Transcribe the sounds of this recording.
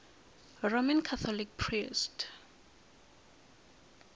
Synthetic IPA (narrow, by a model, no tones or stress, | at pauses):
ɹomãnkʰaθʰɔlik̚pʰɹist